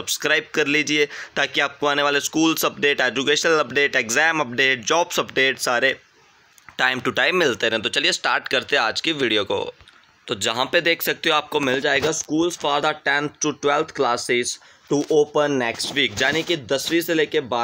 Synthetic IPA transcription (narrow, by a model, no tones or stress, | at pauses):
sɐbskɾaːɪb̚kɐɾliːd͡ʒieːt̪aːkiaːp̚koaːneʋaːleskuːlsɐp̚ɖeːʈɛːd͡ʒʊkeːʃənəlɐpɖeːʈeɡzɛːmɐp̚ɖeːʈ̚d͡ʒɔːbsɐpɖeːʈsaːɾe | ʈaːɪmʈuʈaːɪmːɪlt̪eɛ̃ɦɛ̃t̪ot͡ʃɐliesʈaːɾʈkɐɾt̪eɦɛ̃aːd͡ʒkiʋiɖijoko̰ː | t̪oːd͡ʒɐɦãped̪eːkʰsɐk̚t̪eɦõaːp̚komɪld͡ʒaːeːɡaskuːlsfaːɾd̪aʈɛ̃nt̪ʰʈuʈwɛlt̪ʰklaːsɪz | ʈuʔoːpənːɛksʈʋiːkd͡ʒaːnikid̪ɐsʋiseleːkebaː